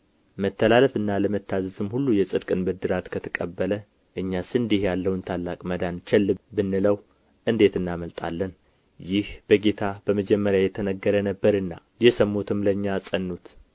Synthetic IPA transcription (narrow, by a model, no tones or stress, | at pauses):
mət̪ʰːəlaləfɨnːaləmət̪ːazɨzɨmhulːujɛsʼɨd̪kʼɨnbɨd̪ːɨɾat̪kʰət̪ʰə̥kʼəbːələ | ʔɨɲːasɨnd̪ihjalːəwunt̪ʰalːakʼməd̪ant͡ʃɛlːɨbɨnːɨləw | ʔɨnd̪e̞t̪ɨnːaməlt̪ʼa̰lːən | jɪhb̥əɡet̪ʰab̥əməd͡ʒɛmːəɾjajɛt̪ʰənəɡːəɾənəbːəɾɨnːa̰ | jɛsəmːo̞t̪ʰɨmləɨɲːasʼənːut̪